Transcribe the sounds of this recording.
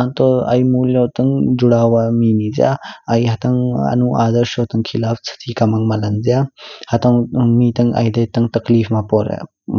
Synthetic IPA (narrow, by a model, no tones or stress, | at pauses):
ant̪ɔɐ̰jmulowt̪ɐŋd͡ʒuɽawaminizja̰ɐjɦɐt̪ɐŋɐ̰nuʔaːd̪ɐɾsʃowt̪ɐŋkʰilaːft͡sʰɐ̥t̪ʰikɐmɐŋmɐlɐnzjahɐt̪ɐŋmit̪ɐŋʔa̰jd̪ɐjt̪ɐŋt̪ɐklifʰmapɔɾḛ